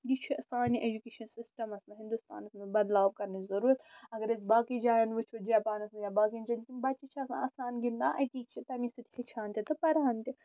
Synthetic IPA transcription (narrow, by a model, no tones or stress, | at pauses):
ɡit͡ʃʰuɐsaːniʔed͡ʒukeːʃɐnsɪsʈɐmɐsmɐ̃ɦĩnd̪ust̪a̰ːnɐsmɐbɐd̪laːʋkɐɾnit͡ʃzɐɾuːɾɐt̪ɐɡɐɾɐsbaːkid͡ʒaːjɐnʋɨt͡ʃʰud͡ʒaːpaːnɐsmɐjaːbaːkiind͡ʒɐnt̪ibɐt͡ʃʰit͡ʃʰɐsã̰ɐ̰ːsaːnɡind̪ãʔɐt̪iːk̚t͡ʃʰit̪ɐmisɨt̪ʲhit͡ʃʰaːnt̪ʲit̪ɨpɐɾaːnt̪i